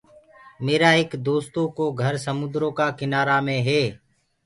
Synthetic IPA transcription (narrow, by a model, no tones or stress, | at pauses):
meːɾaːɪkd̪oːst̪õːkoːɡʱəɾsəmʊd̪ɾõːkaːkɪnaːɾaːmẽːɦeː